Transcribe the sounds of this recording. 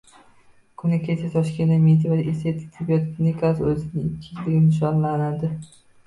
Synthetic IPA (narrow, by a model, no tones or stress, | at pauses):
kʰʊnɪkʲʰet͡ʃʰat̪ʰɒʃkʲend̪amet̪ʰɪvad̪eset̪ʰɪ̥t̪ʰɪbijɔt̪kʰʲinikʰasɵzɪnɪɪkʲʰːɪt͡ʃlɪɡʲɪmnɪʃ̬ɒnlanad̪ɪ